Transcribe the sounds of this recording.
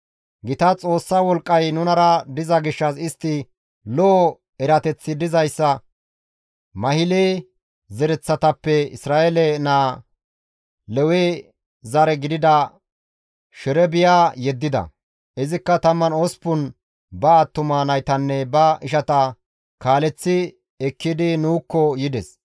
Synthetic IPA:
ɡɪt̪ɐt͡sʼo̞ːsːawɔlkʼːɐjnʊnɐɾɐd̪ɪzɐɡɪʃːɐsɪst̪ːɪ | lɔː | ɛɾɐt̪ɛt͡sːɪd̪ɪzɐjsːɐ | mɐhɪleː | zɛɾɛt͡sːɐt̪ɐpːɛɪ̰sɾaːʔelɛnaː | lɛwe | zɐɾɛɡɪd̪ɪd̪ɐ | ʃɛɾɛbɪjaːjɛd̪ːɪd̪ɐ̰ | ʔɪzɪkːɐt̪ɐmːɐnoːspʊn | bɐːt̪ːʊmaːnɐjt̪ɐnːɛbɐɪʃɐt̪ɐ | kaːlɛt͡sːɪ | ɛkːɪd̪ɪnuːkːɔjɪd̪ɛs

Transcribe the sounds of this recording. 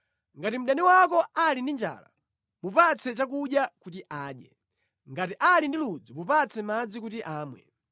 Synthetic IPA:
ŋɡatim̩ɗaniwakɔalindind͡ʒa̰ːla̰ | mupat͡sʰɛt͡ʃak̬uɗjakutiʔaːɗjɛ̰ | ŋɡatiʔalindilud͡zumupat͡sʰɛmad͡zikutiʔaːmwɛ̰

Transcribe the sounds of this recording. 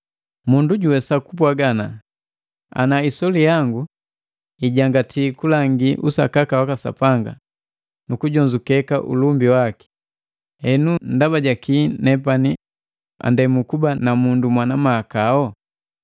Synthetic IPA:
munduɟuwɛsakupwaɡana | a̰naisɔlijaŋɡu | iɟaŋɡatʰiːkulaŋɡiʔusakakawakasa̰paŋɡa̰ | nukuɟɔɲd͡ʒukɛka̰ʔṵlumbiwaki̥ | hɛnun̩daβaɟakinɛpani | a̰ndɛmukubanamundumwanamaːkaɔ

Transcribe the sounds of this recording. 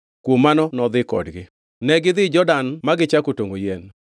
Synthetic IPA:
kwomːanɔnɔd̪ɪkɔ̰dɡɪ | nɛɡɪd̪ɪd͡ʒɔdanmaɡɪt͡ʃakotoŋɡojen

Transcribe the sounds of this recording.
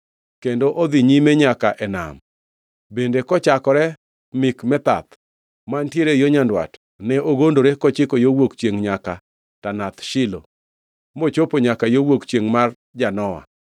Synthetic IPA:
kendoʔod̪iɲimeɲakaʔɛna̰m | bendekɔt͡ʃakɔɾɛ | mɪkmɛt̪a̰t̪ | mantjeɾejoɲandwa̰t | nɛʔoɡondoɾekɔt͡ʃɪkojowokt͡ʃjeŋɲaka | tanat̪ʃɪlo̰ | mot͡ʃopoɲakajowokt͡ʃjeŋmar | d͡ʒanɔwa̰

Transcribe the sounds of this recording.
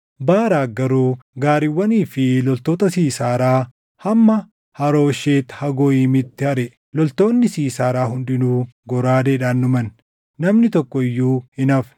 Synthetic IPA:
baːɾaːɡɐɾuːɡaːɾɪwːɐniːfɪlɔlt̪oːt̪ɐsiːsaːɾaː | hɐmːɐ | hɐɾo̞ːʃeːt̪hɐɡɔːʔiːmɪt̪ːɪhɐɾɛ | lɔlt̪o̞ːnːɪsiːsaːɾaːɦʊnd̪ɪnuːɡɔɾaːd̪eːᶑaːnːʊmɐn | nɐmnɪt̪ɔkːɔɪjːuːhɪnɐf

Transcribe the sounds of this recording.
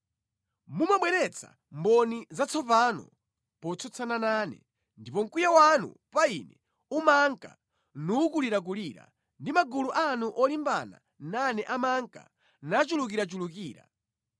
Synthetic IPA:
mumaɓwɛɾɛt͡sʰa̰ | mbɔnizat͡sʰɔpanɔ̰ | pɔt͡sʰɔt͡sʰananaːnɛ̰ | ndipɔŋ̩kujawanṵpainɛ | umaŋka̰ | nukuliɾak̬uliɾa̰ | ndimaɡuluʔanuʔɔlimba̰na̰ | nanɛʔamaŋka̰ | nat͡ʃuluk̬iɾat͡ʃulukiːɾa̰

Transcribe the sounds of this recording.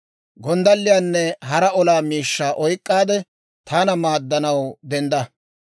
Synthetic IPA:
ɡɔnd̪ɐlːɪjaːnːɛɦɐɾɐɔlaːmiːʃːaːʔɔjkʼːaːd̪ɛ | t̪ʰaːnɐmaːd̪ːɐnɐwd̪ɛnd̪ɐ

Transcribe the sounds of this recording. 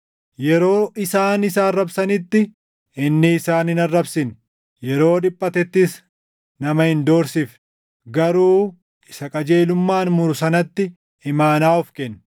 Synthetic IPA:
jɛɾo̞ːʔɪsaːnɪsaːrːɐbsɐnɪt̪ːɪ | ɪnːɪːsaːnɪnɐrːɐbsɪn | jɛɾo̞ːᶑɪpʼːɐt̪ɛt̪ːɪs | nɐmɐhɪnd̪o̞ːɾsɪf | ɡɐɾuː | ɪsɐkʼɐd͡ʒeːlʊmːaːnmʊɾʊsɐnɐt̪ːɪ | ɪmaːnaːʊfkɛn

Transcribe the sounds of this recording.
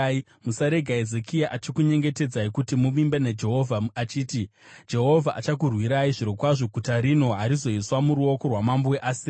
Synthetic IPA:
musaɾe̞ɡʱaezekʰijaʔat͡ʃikuɲe̞ŋɡe̞te̞d͡zaikutimuʋimbened͡ʒe̞ɦo̞vʱaat͡ʃiːtid͡ʒe̞ɦo̞vʱaʔat͡ʃak̬urwiɾaiʐiɾo̞kwaʐoɡʱutaɾino̞ɦaɾizo̞iswamuɾuo̞ko̞rwamambuweʔaːsi

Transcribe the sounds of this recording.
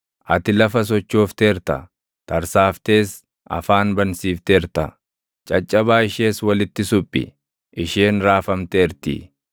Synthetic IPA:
ʔɐt̪ɪlɐfɐs̬ɔt͡ʃːoːft̪eːɾt̪ɐ̰ | t̪ɐɾsaːft̪e̞ːs | ɐ̰faːnbɐnsiːft̪eːɾt̪ɐ | t͡ʃʼɐt͡ʃʼːɐbaːɪʃeːswɐlɪt̪ːɪsʊpʼːɪ̰ | ʔɪʃeːnɾaːfɐmt̪eːɾt̪ḭ

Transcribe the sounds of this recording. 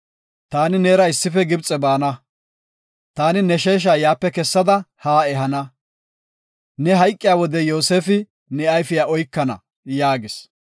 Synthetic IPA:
t̪aːnɪneːɾɐɪsːɪfɛɡɪbt͡sʼɛbaːnɐ | t̪aːnɪnɛʃeːʃ̬aːjaːpːɛkɛsːɐd̪ɐhaːɛɦɐnɐ | nɛɦɐjkʼːɪjaːwɔd̪ɛjo̞ːseːfɪ | nɛɐjfɪjaʔɔjkːɐnɐ̰ | jaːɡɪs

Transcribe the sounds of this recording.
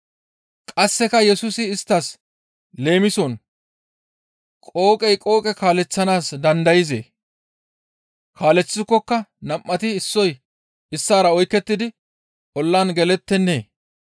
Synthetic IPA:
kʼɐsːɛkɐjɛsʊsɪːst̪ːɐs | le̞ːmɪsɔn | kʼo̞ːkʼɛjkʼo̞ːkʼɛkaːlɛt͡sːɐnaːsd̪ɐnd̪ɐjɪzḛː | kʰaːlɛt͡sːɪkːɔkːɐnɐmːɐt̪ɪɪsːɔj | ɪsːaːɾɐɔjkːɛt̪ːɪd̪ɪ | ʔɔlːaːnɡɛlɛt̪ːɛnːeː

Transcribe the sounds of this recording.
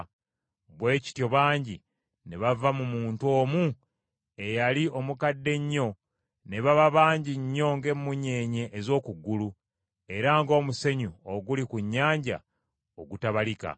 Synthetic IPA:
βwe̞ːci̥tjo̞βaːɲɟi | ne̞βavamumuːntwo̞ːmu | e̞jalio̞mukadːe̞ɲːo̞ | ne̞βaβaβaːɲɟiɲːo̞ŋɡe̞mːuɲe̞ːɲe̞ʔːzo̞ːkuɡːulu | e̞ɾaŋɡo̞ːmuse̞ɲuoɡulikuɲːaːɲɟa̰ | oɡutaβalika̰

